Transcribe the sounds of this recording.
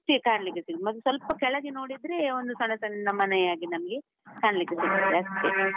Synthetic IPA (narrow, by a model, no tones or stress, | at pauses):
t̪ikaːɳɐlikːesiɡd̪mɐt̪ːusʋɐlpɐkɛɭɐɡino̞ːɽid̪ɾeond̪usɐɳɐsɐnnɐmːɐnɐjaːɡinɐmɐɡe | kaːɳɐlikːesiɡ̪id̪ɾeɐst̪i